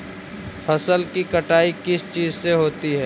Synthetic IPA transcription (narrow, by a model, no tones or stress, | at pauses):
pʰɐsəlkikɐʈaːikɪst͡ʃiːzseɦoːt̪iɦɛː